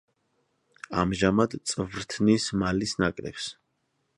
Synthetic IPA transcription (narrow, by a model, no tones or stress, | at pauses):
amʒamad̪t̪sʼvɾt̪ʰnismalisnakʼɾɛ̰ps